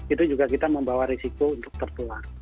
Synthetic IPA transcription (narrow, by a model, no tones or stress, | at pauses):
it̪ud͡ʒuɡakit̪aməmbawaɾesikount̪ʊk̚t̪ərt̪uar